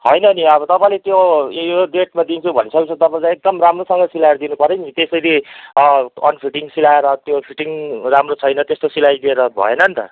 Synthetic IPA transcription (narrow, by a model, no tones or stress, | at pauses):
hʌjnʌniʌβʌt̪ʌpãĩlet̪joeɖeʈmad̪int͡sʰubʱʌ̰nsʰʌkt͡sʰʌt̪ʌpãĩlaek̚d̪ʌmramrosʌŋɡʌsilajrd̪inupʌɾenit̪esʌjli | ʌ̰npʰiʈiŋsilaeɾʌt̪jopʰiʈiŋramrot͡sʰʌjnʌt̪est̪osilajd̪ieɾʌbʱʌ̰enʌnt̪ʌ̰